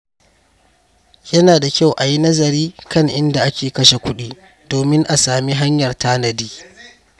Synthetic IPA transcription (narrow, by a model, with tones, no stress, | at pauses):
jɐ˦naː˨da˨kʲa˦wʔa˨ji˦nɐ˦zɐ˨ɾiː˦kɐ˦ŋʔɪ˦nda˨ʔa˦kʲeː˨kɐ˦ʃe˨kʷʊ˦ɗiː˦ | doː˨mɪ˦ŋʔa˨saː˨mi˦ɦa˦ɲjɐ˨rtaː˦nɐ˨diː˦